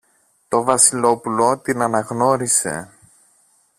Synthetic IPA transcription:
t̪o̞vɐsilo̞pulo̞t̪inɐnɐɣno̞ɾise̞̰

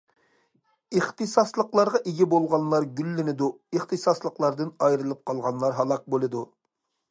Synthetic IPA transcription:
iχt̪ɨsɑslˠəqlˠɑɾʁɑʔeɡʲibolˠʁɑnlˠɑɾɡʲylːɪnɪd̪u | əχt̪ʰɨsɑslˠəqlˠɑɾd̪ɨnɑjɾɨlˠɨp̚qʰɑlˠʁɑnlˠɑɾɦɑlˠɑq̚bolˠɨd̪u

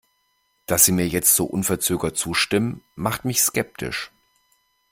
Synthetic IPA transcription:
d̥asz̥iːmiːɐjɛt͡stz̥oːʔʊnfɛɐt͡søːɡɐt͡suːʃtɪmənmaχtmɪçskɛp̚tʰɪ̰ʃ

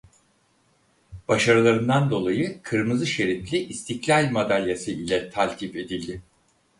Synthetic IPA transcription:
b̥aʃaɾɯlˠaɾɯnd̪and̪o̞lˠajɯkʰɯɾmɯzɯʃe̞ɾit̪lʲiʔist̪ʰiklʲalʲmad̪alʲjasɯilʲɛt̪ʰalʲt̪ʰipe̞d̪ilʲd̪ɪ

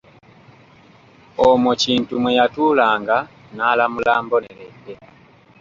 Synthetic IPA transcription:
omociːntumwejatulaːŋɡa | nalamulaːmboneleɡe

